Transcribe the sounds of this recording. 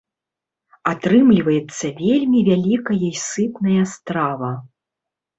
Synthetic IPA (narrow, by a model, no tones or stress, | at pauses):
at̪ɾɨmlʲivɐjɛt̪sːɐvʲelʲmʲivʲalʲikɐjɔjsɨpnɐjɐst̪ɾavɐ